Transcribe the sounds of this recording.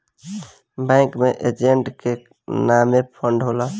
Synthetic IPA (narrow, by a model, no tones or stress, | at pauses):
bɛ̃ŋkmeʔed͡ʒeɳʈke | namepʰəɳɖɦola